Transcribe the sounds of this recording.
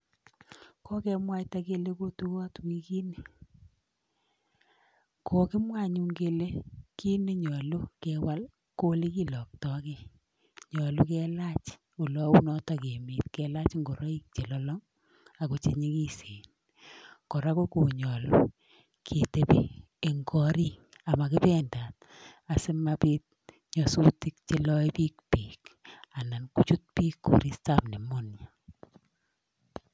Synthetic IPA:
kʰɔ˦kɛ˦mwa˦ta˦ke˦le˦ko˦tu˦kɔ˦twi˦ki˦ne˨ | kʰo˨kɪ˦mwa˦˨ɲu˦ŋɡe˦le˦ki˦ne˦ɲɔ˨lo˦kɛ˦wa˦l | ko˦le˦ki˦lɔ˨k̚tɔ˦ke˦ | ɲɔ˨lo˦kɛ˦la˦t͡ʃ | o˨lɔ˦u˦nɔ˦ta˨ke˨me˨tkɛ˨la˦t͡ʃŋɡo˨ɾɔ˦i˦k̚t͡ʃe˨lɔ˦lɔ˦ŋ | a˨ko˨t͡ʃe˨ɲi˦ki˦se˨n | kɔ˨ɾa˦ko˦ku˨ɲɔ˨lu˨ | kʰe˨te˦pi˦ | e˨ŋɡɔ˦ɾi˦ŋ | a˨ma˨kɪ˦pɛ˦nda˨t̚ | a˨sɪ˦mapi˦t̚ | ɲɔ˨su˦ti˦k̚t͡ʃe˦lɔ˦i˦pi˦k̚piː˨ka˨na˨nku˦t͡ʃu˦t̚piː˦kːṵ˨ɾi˦sta˦pne˨mo˦nja˨

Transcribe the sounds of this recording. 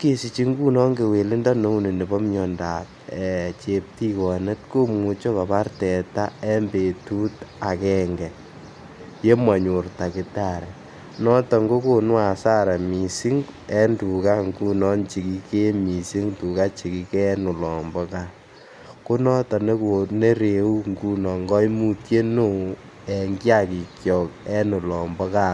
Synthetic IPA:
ke˨si˨t͡ʃi˦ŋɡu˦nɔ˦ŋɡe˨we˨lɪ˦nda˦no˨˦u˦ne˨ne˨bɔ˦mɲɔ˨nda˨t̚ɛ˨t͡ʃe˨p̚ti˦kɔ˨ne˦tko˦mu˨t͡ʃo˦ka˨pa˦rtɛ˨ta˦ɛ˦mbe˨tu˦ta˨kɛ˦ŋɡɛ˨ | je˦mwa˨ɲo˨rta˨kɪ˦ta˦˨ɾɛ˨ | nɔ˦tɔ˨ŋɡo˦ko˨nwa˨sa˦ɾɛ˨mi˨si˦ŋɛ˦ndu˨ka˦ŋɡu˦nɔ˦nt͡ʃi˨ki˦ke˦mi˨si˦ŋtu˨ka˦t͡ʃi˨ki˦kɛ˦nu˨lɔ˨mbɔ˦ka˦ | ku˦nɔ˦tɔ˨ne˦ko˨ne˦ɾe˨u˦ŋɡu˦nɔ˨ŋɡɔ˦i˦mu˦tje˦nu˦˨ | ɛ˨ŋɡja˦˨ki˨kjɔ˨kɛ˦nu˨lɔ˨mbɔ˦ka˦

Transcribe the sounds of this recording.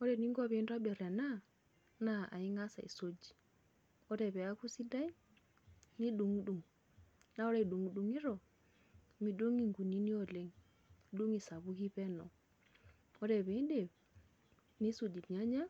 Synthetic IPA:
ɔ˦ɾe˨ni˦ŋɡɔ˦βe˨˦nda˦be˨ɾa˨na˦ | na˦a̰˨i˦ŋa˦sa˨ḭ˨so˦d͡ʒi̥˨ | ɔ˦ɾɛ˨βɛ˨a˦ku˦si˦da˦i˦ | ni˦du˨ŋ˦du˨ŋ | na˦o˦ɾe˦i˨du˨ŋu˨du˨ŋi˦ɾɔ˨ | mi˨du˦ŋi˨ŋɡu˨ni˦ni˦o˨le˦ŋ˨ | du˦ŋi˨sa˨βu˦ki˦pɛ˦nɔ˨ | ɔ˦ɾe˨βe˨i˦de˨b | ni˦so˨d͡ʒi˨tɲa˦ɲa˦

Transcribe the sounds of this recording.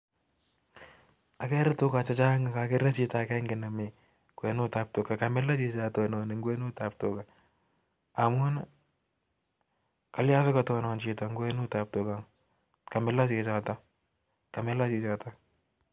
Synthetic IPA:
a˨kɛ˦ɾɪtʊ˦ka˨t͡ʃa˦t͡ʃa˦ŋa˨ka˨kɪ˦ɾa˦t͡ʃi˦takɛ˦ŋɡɪ˨na˨mi˨ | kwɛ˨nʊ˦ta˨p̚tʊka˨kamɪ˦la˦t͡ʃi˧t͡ʃa˨tɔnɔ˨nɪ˨ŋɡwɛ˦nu˦ta˨p̚tʊka | a˨m˦ɔ˦n | ka˦lja˦sʊ˦katɔnɔ˨nt͡ʃi˨taŋɡwɛ˦nʊ˦ta˨p̚tʊ˨kaŋ | ka˨mɪ˦la˦t͡ʃi˨t͡ʃa˨ta˦ | ka˨mɛ˦la˦t͡ʃit͡ʃa˨ta

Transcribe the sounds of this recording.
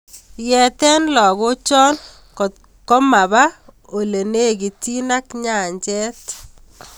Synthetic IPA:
jɛ˨t̪ɛ˦nlɔ˨ɣʊ˦t͡ʃɔ˦n | kɔ˨ | kɔ˦ma˨βa˦ | o˨le˨ne˦˨ɡi˨ti˦na˦kɲa˨ɲt͡ʃɛ˦t

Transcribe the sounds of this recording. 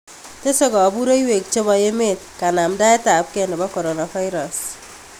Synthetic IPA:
te˦sɔ˦ɡɔ˨bu˦ɾo˦i˦we˨k̚t͡ʃo˦ba˨je˦me˦˨t̚ka˨na˨mda˦ɛ˦ta˨p̚kɛ˦˨nɔ˨ba˦kɔ˨ɾo˨na˨fa˦jɾɔ˨s

